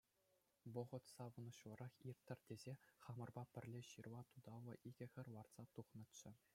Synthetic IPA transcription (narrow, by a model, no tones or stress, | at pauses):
ʋŏɤ̆ʁɤ̆t̪sɑʋɤ̆nɤ̆ɕlɤ̆ɾɑχirʲt̪ʲːɘ̆rʲdʲezʲeχɑmɤ̆rbɑpʲɘ̆rʲlʲeɕɯrʋɑt̪ud̪ɑlːɤ̆ʔiɡʲɘ̆xʲɘ̆rʲʋɑrt̪sɑt̪uχnɤ̆t̪t͡ɕːɘ̆